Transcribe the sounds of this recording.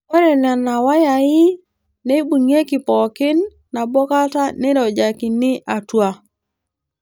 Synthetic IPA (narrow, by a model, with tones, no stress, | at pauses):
wɛ˦ɾɛ˨na˨na˨wa˦ja˨ɪ˦ | ne˦bu˨ŋe˦kɪ˨pɔ˨kɪ˦nː | a˨bɔ˦ka˦ta˦nɛ˦ɾɔ˨d͡ʒa˨kɪ˨nɪ˦ʔa˨twa˦